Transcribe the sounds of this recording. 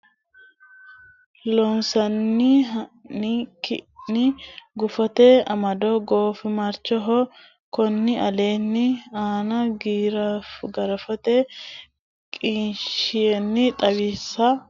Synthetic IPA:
lɔnsɐnːiɦɐnikɪ̰nɪɡʊfɔt̪eɐmɐd̪ɔɡoːfɪmɐɾt͡ʃːɔɦɔ | kɔnːɪɐle̞ːnːɪaːnɐɡiːɾɐfɡɐɾɐfɐt̪e | kʼiːnʃɪjɛnːɪt̪ʼɐβisːɐ

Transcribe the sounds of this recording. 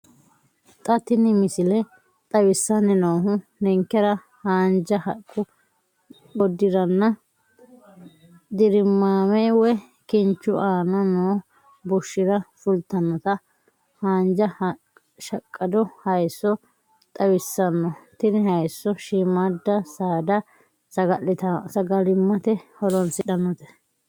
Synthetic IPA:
t̪ʼɐt̪ɪnɪmɪsɪlɛ | t̪ʼɐwɪsːɐnɛnoːɦʊnɛŋkːɛɾɐ | haːnd͡ʒɐhɐkʼːʊ | ɔd̪ːɪɾɐnːɐ | d̪ɪɾɪmːaːmɛwɛ | kɪnt͡ʃːʊʔaːnɐnoː | bʊʃːɪɾɐsʊlt̪ːɐnːɔt̪ɐ | haːnd͡ʒɐ | ʃɐkʼːɐd̪ɔhɐjsːɔ | t̪ʼɐwɪsːɐnːɔt̪ɪnɪɦɐjsːɔʃimad̪ːɐsaːd̪ɐ | sɐɡɐlːɪt̪ɐsɐɡɐlɪmːɐt̪ɛhɔlɔnsɪᶑɐnːɔt̪ɛ̥

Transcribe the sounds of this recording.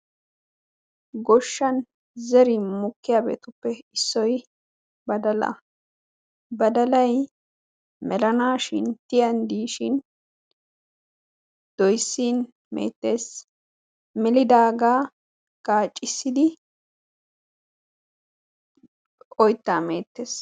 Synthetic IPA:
ɡɔʃːɐn | zɛɾɪmʊkːɪjaːbe̞̰ːt̪ʊpːɛɪsːɔj | bɐd̪ɐlɐ̰ | bɐd̪ɐlɐj | mɛlɐnaːʃɪnt̪ɪjɐnd̪iːʃɪn | d̪̥ɔjsːiːn | mḛːt̪ːe̞ːs | mɛlɪd̪aːɡaː | kaːt͡ʃʼːɪsːɪd̪ɪ | ɔjt̪ːaːmḛːt̪ːe̞ːs

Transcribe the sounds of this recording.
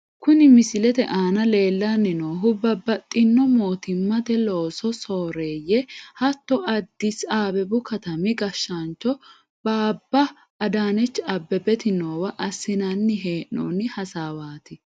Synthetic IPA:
kʊnɪmɪsɪlɛt̪ɛʔaːnɐle̞ːlːanːɪnoːɦʊbɐbɐt̪ʼːɪnːɔmo̞ːt̪ɪmːɐt̪ɛlo̞ːsɔsoːɾeːjɛhɐt̪ːɔɐd̪ːɪsaːbɛbʊkɐt̪ɐmɪɡɐʃːɐnt͡ʃːɔ | b̥aːbːɐː | d̪aːnɛt͡ʃːɐbːɛbɛt̪ɪnoːwɐʔɐsːɪnɐnːɪɦeːʔo̰ːnːɪhɐsaːwaːt̪ɪ

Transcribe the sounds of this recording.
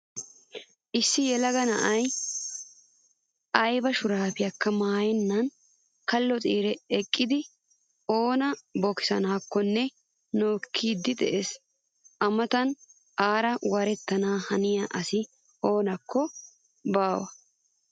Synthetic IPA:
ʔɪsːɪjɛlɐɡɐnɐʔɐj | ʔɐjbɐʃʊɾaːfɪjɐkːɐmaːjɛnːɐn | kɐlːɔt͡sʼiːɾɛɛkʼːɪd̪ɪ | oːnɐbɔkɪ̥sɐ̰naːkːɔnːɛ | no̞ːkʰːiːd̪ːɪd̪ɛ̰ʔes | ʔɐmɐt̪ɐn | ʔaːɾɐwɐɾɛt̪ːɐnaːhɐnɪjaʔɐsɪ | o̞ːnɐkːɔ | baːwɐ

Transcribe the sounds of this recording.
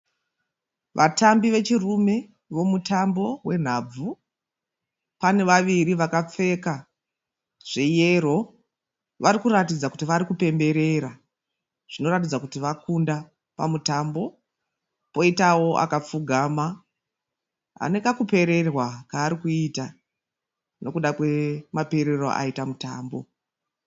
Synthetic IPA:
ʋʔatambiʋe̞t͡ʃirume̞ | ʋo̞mutambo̞we̞n̤ab͡vu | pane̞ʋaʋiriʋakap͡fe̞ka | ʐ̥eje̞ro̞ | ʋaɾikuratid͡zakutiʋaɾikupe̞mbe̞ɾe̞ɾa | ʐ̥ino̞ɾat̬id͡zakutiʋakunda | pa̰mutambo̞ | po̞itawo̞ʔa̰kap͡fuɡʱaːma | ɦa̰nekakupe̞ɾe̞rwakaːɾikuita | no̞kuɗakwe̞mape̞ɾero̞̰ʔa̰itamuta̰ːmbo̞

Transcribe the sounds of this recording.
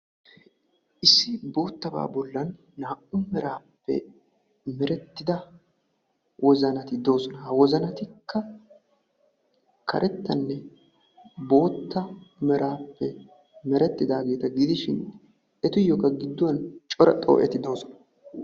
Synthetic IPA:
ʔɪsːɪbo̞ːt̪ːɐba̰ːbɔlːɐnː | aːʔʊmɛɾaːpːɛ̰ | mɛɾɛt̪ːɪd̪ɐ | wʔɔzɐnɐt̪ɪd̪o̞ːsɔnɐhɐwɔzɐnɐt̪ɪkʰːɐ | kʰɐ̰ɾʔɛt̪ːɐnːɛ | bo̞ːt̪ːɐmɛɾʔaːpːɛ | mɛɾɛt̪ːɪd̪aːɡe̞ːt̪ɐɡɪd̪ɪʃɪn | ʔɛt̪ʊjːɔkɐɡɪd̪ːʊwɐnt͡ʃʼɔɾɐ̰t̪ʼːo̰ːʔɛ̰t̪ɪd̪o̞ːsɔnɐ̥

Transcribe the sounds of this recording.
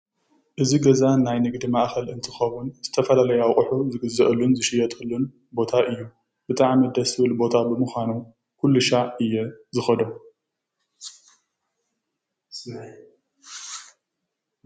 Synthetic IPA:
ʔɨziɡɐzanajnɨɡd̪imaʔxɐlʔɨnt̪ʰɨxɐwunz̥ɨt̪ʰɐfɐlalɐjawqʼɨħuzɨɡɨzːɐʔɨlːunzɨʃɪjːɐt̪ʼɨlːun | bo̞t̪ʰaʔɨjːu | b̥ɨt̪ʼaʕmid̪ɐsɨβɨlbo̞t̪ʰabɨmɨxʷanu | kʰulːuʃaʕɨjːɛzɨxɐd̪o̞

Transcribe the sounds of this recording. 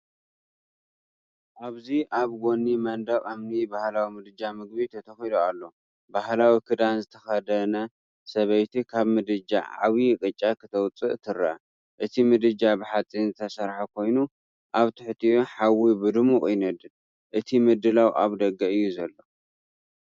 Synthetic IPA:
ʔaβziʔaβɡonːimɐnd̪ɐɣʼamnibahlawimɨd̪ɨd͡ʒamɨɡbit̪ʰɐt̪ʰɐxid̪oalːo̞ | bahlawikʰɨd̪anzɨt̪ʰɐxɐd̪ɐnɐ | sɐβɐjt̪ʰikʰaβmɨd̪ɨd͡ʒa̰ʕa̰βikʼɨt͡ʃʼːakʰɨt̪ʰɐwt͡sʼɨʔt̪ʰɨɾa̰ | ʔɨt̪ʰimɨd̪ɨd͡ʒabɨħat͡sʼːinzɨt̪ʰɐsɐɾħakʰo̞jnu | ʔaβt̪ʰɨħt̪ʰiuħawibɨd̪ɨmuʔʼjnɐd̪ɨl | ʔɨt̪ʰimɨd̪ɨlawʔa̰βd̪ɐɡːɐʔɨjːuzɐlːo̞

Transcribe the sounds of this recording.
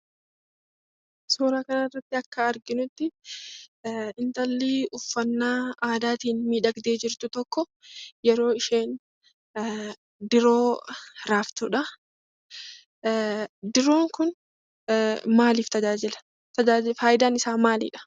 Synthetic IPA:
soːɾaːkɐnɐrːɐt̪ːɪɐkːɐːɾɡɪnʊt̪ːɪ | ɪnt̪ɐlːiːʊfːɐnːaːaːd̪aːt̪iːnmiːᶑɐɡd̪eːd͡ʒɪɾt̪ʊt̪ɔkːɔ | jɛɾo̞ːɪʃeːn | d̪ɪɾo̞ːɾaːft̪uᶑɐ | d̪ɪɾo̞ːŋkʊn | maːliːft̪ɐd͡ʒaːd͡ʒɪlɐ̥ | t̪ɐd͡ʒaːd͡ʒfaːjɪd̪aːnɪsaːmaːlḭːᶑɐ̥

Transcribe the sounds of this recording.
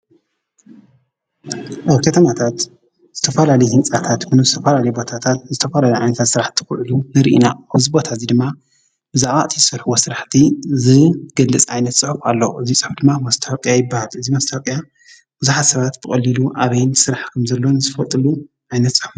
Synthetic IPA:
ʔaβkʰɐt̪ʰɐmat̪ʰat̪ | z̥ɨt̪ʰɐfɐlalɐjhɨnt͡sʼat̪ʰat̪kɨnɨzɨt̪ʰɐfɐlalɐjbo̞t̪ʰat̪ʰat̪̚zɨt̪ʰɐfɐlalejʕa̰jnɐt̪ʰat̪sɨɾaħt̪ʰi̥xɨʕlunɨɾʔḭnaɨzibo̞t̪ʰazid̪ɨmːa | bɨzaʕβaʔt̪ʰizɨsɐɾħuwosɨɾaħt̪ʰizɨɡ̥ɐlːɨt͡sʼʕajnɐt̪sʼɨħufalːoʔɨzisʼɨ̥ħufd̪ɨmːamɐst̪ʰɐɐkʼjajɪbːahalɨzimɐst̪ʰakʼja | b̥ɨzuħat̪sɐβat̪b̥ɨkʼɐlːiluʔaβɐjnsɨɾaħkʰɐmzɐlːo̞nɨzɨfɐt̪ʼɨlu | ʕajnɐt̪sʼɨ̥ħuf

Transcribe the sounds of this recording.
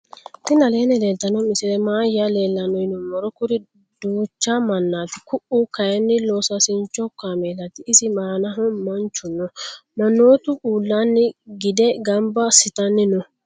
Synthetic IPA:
t̪ɪnɐleːnɛleːlt̪ːɐnɐmɪsɪɾɛmaːjaleːlːɐnɔjnɔmɔɾɔkʊɾɪ | d̪̥uːt͡ʃːamɐnːaːt̪ɪkʊʔʊkɐjɐnːɪlosɐsɪnt͡ʃːɔkːameːlɐt̪ɪːsɪmaːnɐɦɔmɐnt͡ʃːʊnːɔmɐnːo̞ːt̪ʊʔuːlːanːɪɡɪd̪ɛɡɐmbɐsɪt̪ɐnːɪnɔ

